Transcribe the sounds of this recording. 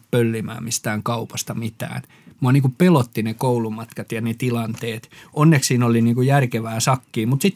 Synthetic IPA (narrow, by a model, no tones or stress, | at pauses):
pølːimæ̰ːmmist̪æːŋkɑupɑst̪ɑmit̪æ̰ːn | muɑniːŋkupelot̪ːinekoulumɑt̪kɑt̪jɑnet̪ilɑnt̪eːt̪ʔonːekssiːnoliniːŋkujærkeʋæːsɑkːiːmut̪sit̪